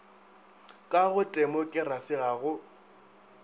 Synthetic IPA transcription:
kʼaɣʊtʼɛmɔkʼɪrasɪɣaɣʊ

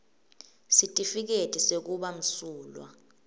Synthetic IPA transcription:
sitʼifik̬etʰʼisek̬uɓam̩suːlwa̰

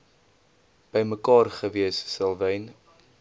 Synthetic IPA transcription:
b̥əjməkɑːrχəviəssəlˠvəjn

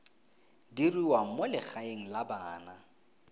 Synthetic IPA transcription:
diriwaŋ̩mʊlɪχaeŋ̩labaːna

